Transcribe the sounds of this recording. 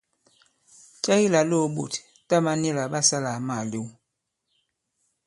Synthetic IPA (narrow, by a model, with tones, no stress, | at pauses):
t͡ʃa˦i˦la˨lo˦˨ɓo̰˨t | ta˦ma˦ni˦la˨ɓa˦sa˦la˨ma˨li˦w